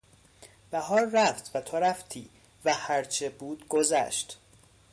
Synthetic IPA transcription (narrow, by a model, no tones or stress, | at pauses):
b̥æhɒːlræft̪ʰvæt̪ʰoɾæft̪ʰiː | væhæɾt͡ʃʰebuːd̪ɡozæ̰ʃt̪